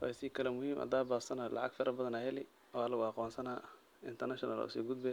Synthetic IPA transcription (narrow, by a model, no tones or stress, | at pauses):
fɑsiːkʰɐlɛmʊhiːmʔɐ̰d̪aːbaːsɐnaːlʔɑ̰ʕɑ̰ɡfɪɾʔɐbɐðɐnahɛlɪ | ɔɐlɐɣʊɑqɔːnsɐnaː | ɪnt̪ʰɐrnɐʃɔnɐl̰ʊ̰sḭːɡʊd̪̚bɛ